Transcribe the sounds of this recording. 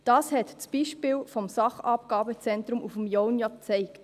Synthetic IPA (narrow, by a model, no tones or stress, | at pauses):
d̥ɑːshɛtt͡sb̥iːʃpɪːlfɔmsɑχɑpɡ̥ɑːbət͡sɛnt̪ɾʊmufmjɔwnjɑt͡sɛɪkt